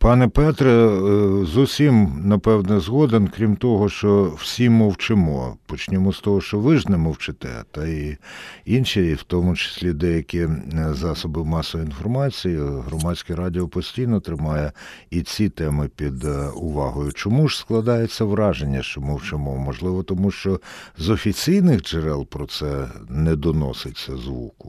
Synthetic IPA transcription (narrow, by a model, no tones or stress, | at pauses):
pɑnɛpɛt̪ɾɛ | zusʲimnɐpɛwnɛzɦɔd̪enkɾʲimt̪ɔɦɔʃt͡ʃɔw̥sʲimːɔwt͡ʃɪmɔ̰pɔt͡ʃnʲɪmɔst̪ɔɦɔʃt͡ʃɔʋɪʒnɛmɔwt͡ʃɪt̪ɛ̰t̪ɐi | inʃiwt̪ɔmʊt͡ʃɪ̥sʲlʲid̪ɛjɐkʲɪzɑsɔbɪwmɑsɔʋɔinfɔrmɑt͡sʲijiɦɾɔmɑsʲkɪɾɑdʲɪɔpɔsʲtʲijnɔt̪ɾɪmɑjɛ | it͡sʲit̪ɛmɪpʲid̪ʊʋɑɦɔjʊt͡ʃɔmuʒ̥sklˠɐd̪ɑjet͡sʲːɐʋɾɑʒenʲːɐʃt͡ʃɔmɔwt͡ʃɪmɔmɔʒlˠɪʋɔt̪ɔmuʃt͡ʃɔzɔfʲit͡sʲijnɪxd͡ʒeɾɛlˠpɾɔt̪sɛnɛd̪ɔnɔ̰sɪt͡sʲːɐzʋṵkʊ̥